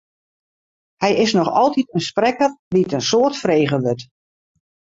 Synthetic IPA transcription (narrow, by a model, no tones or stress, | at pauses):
hɛjɪsnɔxɔlˠtitənsprɛkərʋitənsoːərtfreːɣəʋøt